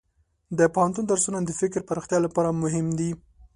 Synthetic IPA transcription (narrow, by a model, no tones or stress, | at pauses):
d̪əpohant̪und̪aɾsunad̪əfɪkɾpəɾaxt̪jɑlapɑɾamʊɦɪmd̪i